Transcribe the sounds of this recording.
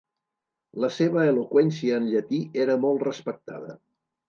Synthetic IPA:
ləseβəːlokwɛnsiəːnʎət̪iʔeɾəmɔlˠt̪rəspək̚t̪a̰ðə̰

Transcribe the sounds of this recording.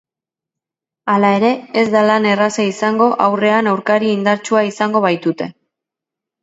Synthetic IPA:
alae̞ɾe̞ezd̪alane̞rasaisaŋɡo̞ʔawre̞anewɾkaɾiind̪aɾt͡ʃuaisaŋɡo̞β̞ajt̪ut̪e̞

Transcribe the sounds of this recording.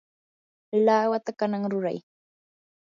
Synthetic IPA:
laːwat̪akanaŋɾʊɾa̰j

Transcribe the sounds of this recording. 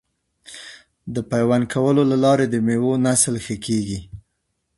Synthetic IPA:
d̪əpajwankʰawəlolalɑɾed̪əmewonaslxəkeɡi

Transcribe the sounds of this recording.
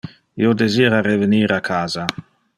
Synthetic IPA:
iːod̪eziːɾaɾeveniːɾakʰaːza

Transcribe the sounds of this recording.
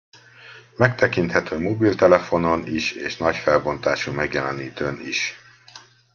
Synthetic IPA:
mɛk̚t̪ɛkint̪hɛt̪øːmobiːlt̪ɛlɛfo̞no̞niʃeːʃnɒcfɛlbo̞nt̪aːʃumɛɡjɛlɛniːt̪øːnḭʃ

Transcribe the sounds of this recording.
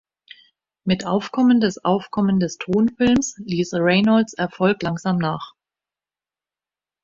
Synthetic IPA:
mɪtʔa̰ʊfkʰɔməndɛsʔa̰ʊfkʰɔməndɛstʰoːnfɪlmsliːsəʁɛɪnalsɛɐfɔlklaŋzaːmnaːχ

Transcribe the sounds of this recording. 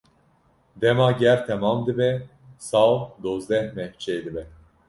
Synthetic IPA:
d̪ɛmaɟɛɾt̪ʰɛmamd̪ibɛ | sawd̪ozd̪ɛhmɛht͡ʃʰɛjd̪ibɛ

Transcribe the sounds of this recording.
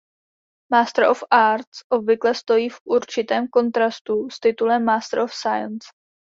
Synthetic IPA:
maːst̪ɾ̩ʔofʔaːɾt̪sʔo̞bvɪklɛst̪o̞jiːfʔuɾt͡ʃɪt̪ɛːmko̞nt̪ɾast̪ust̪ɪt̪ulɛmːaːst̪ɾofsajəns

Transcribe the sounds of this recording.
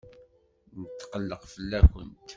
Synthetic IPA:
nət̪ːqəlːəqfəlːæçə̰nt̪

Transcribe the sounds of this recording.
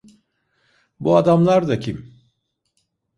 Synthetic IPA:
buad̪amlˠaɾd̪acʰim

